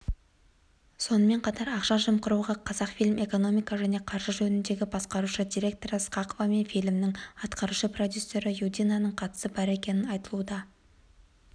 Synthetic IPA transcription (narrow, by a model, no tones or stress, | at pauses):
so̞nəme̞ɴqʰɑt̪ɑɾɑqʃɑʒəmqəɾuʁɑqʰɑzɑqfijlʲme̞ko̞no̞mijkɑʒæne̞qʰɑɾʒəʒɵnɪnd̪e̞ɡʲɪbɑsqɑɾuʃəd̪iɾʲe̞k̚t̪o̞ɾəsqɑqo̞vɑme̞nfijlɪmnɪŋɑt̪qɑɾuʃəpro̞d̪ʲjusːe̞ɾəjud̪ʲijnanəɴqʰɑt̪ə̥səbɑɾe̞kʲe̞nɪnɑjt̪əlˠud̪ɑ